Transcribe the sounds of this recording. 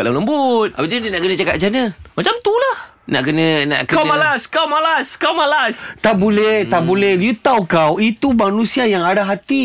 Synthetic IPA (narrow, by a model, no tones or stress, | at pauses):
kalaləmbut̪̚abat̪idinaʔkənə̃t͡ʃakat̪̚d͡ʒanə̃mat͡ʃamt̪ulah | na̰ʔkənə̃na̰ʔkəkawmalaskawmalaskawmalast̪aʔbolɛht̪aʔbulɛhlut̪awkawit̪umanũsiajaŋadaɦat̪i